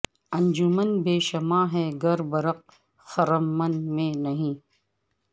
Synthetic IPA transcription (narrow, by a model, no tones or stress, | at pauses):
ɐ̃nd͡ʒʊmənbeːʃɐmaːɦɛːɡɐɾbɐɾɐq̚ | xɐɾəmːɐnmẽːnɐɦĩː